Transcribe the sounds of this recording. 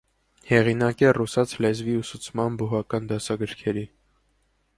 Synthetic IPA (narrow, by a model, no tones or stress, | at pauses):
hɛʁinɑkɛrusɑt͡sʰlɛzviusut͡sʰmɑnbuɦɑkɑnd̪ɑsɑɡəɾkʰɛɾi